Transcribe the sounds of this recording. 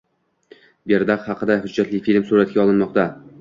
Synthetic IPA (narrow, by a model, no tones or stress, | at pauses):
beɾd̪aqhɑqʰɨd̪ahʊd͡ʒːat̪lɪjfilmsuɾat̪̚kʲaɒlˠɪnmɒqt̪a